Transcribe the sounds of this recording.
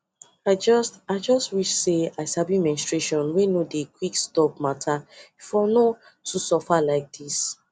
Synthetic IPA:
aɪd͡ʒɔstaɪd͡ʒɔstwiʃseaɪsabimɛ̃nstɹeʃɔ̃nwenodekwikstɔp̚matʰafɔno | tusɔfalaɪk̚d̥is

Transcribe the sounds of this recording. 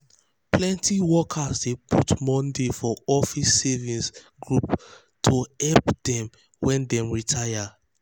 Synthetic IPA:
plɛ̃ntʰiwɔkʰazdepʰutmɔ̃ndefɔɔfisɛvĩns | ɡɹup | tʰohɛlpdɛ̃m | wɛ̃ndɛ̃mɹitʰaja

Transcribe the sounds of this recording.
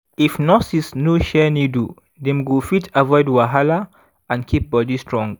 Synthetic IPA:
ifnɔsisnoʃɛnidu | dɛ̃mɡufitʰavɔɪdwaɦala | ãnkʰip̚bɔdistʰɹɔ̃ŋɡ

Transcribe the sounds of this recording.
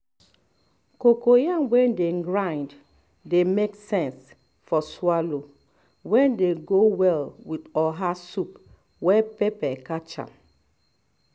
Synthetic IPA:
kokojãnwɛ̃ndeɡɹãɪnd | demeksɛ̃ns | fɔswalo | wɛ̃ndeɡowɛlwidɔɦasup | wɛpɛpɛkat͡ʃã̰m

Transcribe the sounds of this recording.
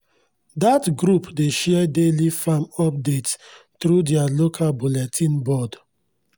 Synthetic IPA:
datɡɹupdeʃɛdelifamɔp̚dets | tɾudialokʰalbulɛtʰĩnbɔd

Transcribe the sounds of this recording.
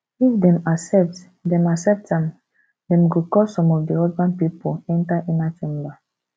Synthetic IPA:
ifdɛ̃masɛp̚t | dɛ̃masɛp̚tãm | dɛ̃mɡokɔsɔ̃mɔfdiɔsbãnpipoɛ̃ntaʔɛ̃nat͡ʃẽmba

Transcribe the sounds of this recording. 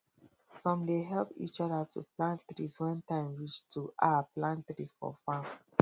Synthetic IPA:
sɔ̃mdeɦɛlpḭt͡ʃɔdətʰṵplãnt̪ɾiswɛ̃ntãɪ̃mɹit͡ʃtuʔaplãnt̪ɹisfɔ̰fãm

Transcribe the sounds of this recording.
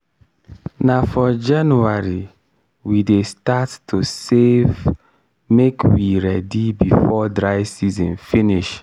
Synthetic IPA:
nafɔd͡ʒãnuaɹi | widestatːusev | mekʰwiɹɛdibifɔdɹaɪsizɔ̃nfiniʃ

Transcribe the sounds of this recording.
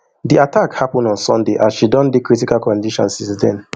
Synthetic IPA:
diatakhapɔ̃ndɔ̃nsɔ̰̃ndeʔasʃidɔ̃ndekɹitikalkɔ̃ndiʃɔ̰̃nsĩsdɛ̰̃n

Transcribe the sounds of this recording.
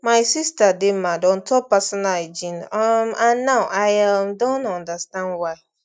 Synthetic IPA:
maɪsistademadɔ̃ntʰɔpasɔnald͡ʒĩnamãnːaʊʔaɪamdõntɔ̃ndastãndwaɪ

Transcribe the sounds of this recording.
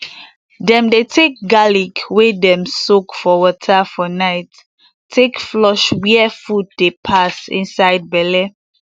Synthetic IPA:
dɛ̃mdetʰek̚ɡaliɡwedɛ̃msokfɔwɔtʰəfɔnaɪtʰː | ekflɔʃwiɛfud̚depʰasḭ̃nsaɪd̚bɛlɛ

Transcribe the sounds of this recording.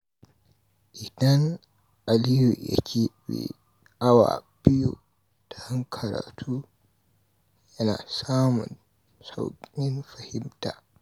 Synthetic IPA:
ʔidan | alijuʔa̰t͡ʃʰiwḭ | awa̰b̥iju | tḁhaŋkʰaɾa̰tʰu | jana̰saːmṵn | sawkʼninfahimta

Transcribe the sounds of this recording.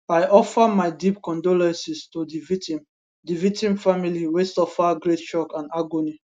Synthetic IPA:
ajʔɔfamaɪdipkɔ̃ndolɛ̃nsistodivitĩm | divik̚tĩmfamiliwestɔfaɡɾett͡ʃɔkãnaɡoni

